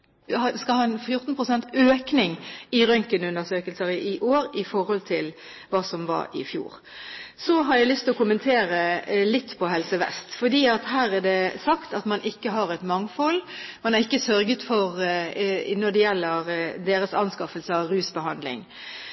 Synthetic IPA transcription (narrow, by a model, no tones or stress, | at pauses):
hɑskɑlhɑːnfjʊɾt̪n̩pʰʁʊsɛnt̪øːknɪŋɪɾœŋkənʉnəsøːkəlsəɾəʔɪʔoːɾɪfɔɾhɔlt̪ʰɪl | ʋɑːsɔmʋɑ̰ɾɪ̰fjṵːɾ | sɔɦɑɾjæɪlʏst̪ʰɪlɔkʰʊmənt̪ʰeːɾəlɪt̪ːpʰɔɦɛlsəʋɛ̰st̪fɔd̪iːɑt̪hæːɾæd̪ɛsɑkt̪ɑt̪mɑnʔɪkːəɦɑɾɛt̪mɑŋfɔlmɑnæɾɪkːəsœɾɡət̪fɔɾ | nɔd̪ɛjɛlːəɾd̪eːɾəsɑ̰nskɑfəlsəɑʋɾʉːsbəhɑnd̪lɪ̰ŋ